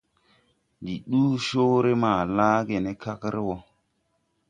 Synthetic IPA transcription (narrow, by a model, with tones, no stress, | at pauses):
di˨ɗuː˦so˦ɾe˦maː˨laː˦ɡe˨ne˦ka˦kɾe˦wɔ˨